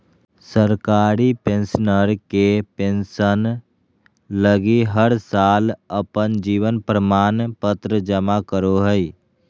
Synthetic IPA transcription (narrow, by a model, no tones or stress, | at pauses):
səɾkaːɾipẽnsnəɾkepẽnsən | ləɡiɦəɾsaːləpənd͡ʒiːʋənpɾəmaːnpət̪ɾəd͡ʒəmakəɾoɦəi